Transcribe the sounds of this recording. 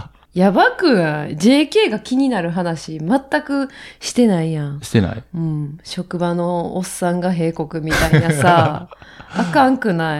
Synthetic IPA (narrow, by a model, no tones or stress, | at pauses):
jabakɯ̟ãd͡ʑe̞ːke̞ːɡakʲiɲ̟inaɾɯ̟ɦanaɕimat̪ːakɯ̟ɕi̥t̪e̞naijãɕi̥t̪ena̰iɯ̟̃ɴɕo̞kɯ̟bano̞ːsːãŋɡaɦe̞ːko̞kɯ̟mʲit̪ainasaː | kãŋkɯ̟nai